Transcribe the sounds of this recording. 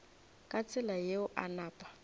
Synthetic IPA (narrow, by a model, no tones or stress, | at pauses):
kʼat͡sʼɪlajeʊʔa̰naːpʼḁ